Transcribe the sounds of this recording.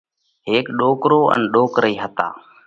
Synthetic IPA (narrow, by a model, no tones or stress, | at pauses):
ɦeːkɗoːkɾoːʔə̰nɗoːkɾəiːɦət̪a̰ː